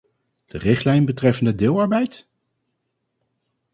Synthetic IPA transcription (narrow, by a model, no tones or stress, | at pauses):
d̥ərɪχtlɛjnbətrɛfəndədɪːlˠɑɹbɛjt